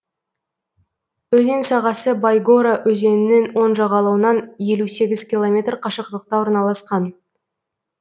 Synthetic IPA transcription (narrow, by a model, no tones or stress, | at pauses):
ɵzensɑʁɑsəbajɡoɾaʔɵze̞nɪne̞nwo̞nʒɑʁɑlˠɑwənɑnje̞luse̞ɡʲɪzkʲilˠomʲe̞t̪rqʰɑʃəq̚t̪əq̚t̪ɑwoɾnɑlˠɑsqɑn